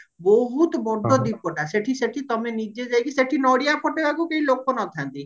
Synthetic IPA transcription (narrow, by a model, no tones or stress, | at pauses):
boɦut̪bɔɖʱɔd̪ipːɔʈaseʈʰiseʈʰit̪ɔmenid͡ʒed͡ʒajkiseʈʰinɔɽijapʰɔʈebakukeɦilokonɔt̪ʰãnt̪i